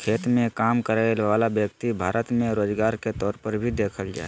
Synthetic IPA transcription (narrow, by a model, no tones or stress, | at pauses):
kʰet̪mẽkaːmkəɾaɪlʋalabjəkt̪ibʱaːɾət̪mẽɾoːd͡ʒɡaːɾket̪ɔːɾpəɾbʱid̪ekʰəld͡ʒa̰ːɛ